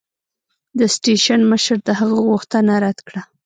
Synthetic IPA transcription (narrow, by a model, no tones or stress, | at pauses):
d̪əsʈeʃanməʃɾd̪əhaɣəɣuxt̪ənaɾad̪kɽa